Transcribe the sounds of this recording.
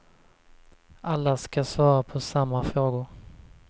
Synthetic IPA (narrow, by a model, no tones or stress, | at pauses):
ʔalːaskasvɑːɾapʰɔsamːafɾoːɡʊɾ